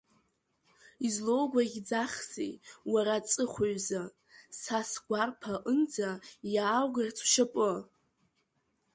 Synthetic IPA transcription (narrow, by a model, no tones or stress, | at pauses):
izlo̞wɡʷaɡʲd͡zaχsḭwaɾat͡sʼɨχʷoɥza | sasɡʷarpʰaʔɨnd͡zajaːwɡart͡sʰwʃapʼɨ